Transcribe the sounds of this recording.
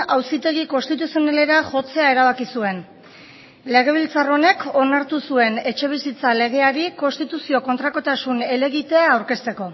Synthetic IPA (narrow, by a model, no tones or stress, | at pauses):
awsit̪e̞ɣiko̞nst̪it̪usionale̞ɾaʝo̞t͡se̞ae̞ɾaβ̞akisue̞n | le̞ɣ̞e̞β̞ilt͡saro̞ne̞kʰo̞naɾt̪usue̞ne̞t͡ʃe̞βisit͡sale̞ɣ̞e̞aɾiko̞nst̪it̪usio̞ko̞nt̪ɾako̞t̪asune̞le̞ɣit̪e̞aːwɾke̞st̪e̞ko̞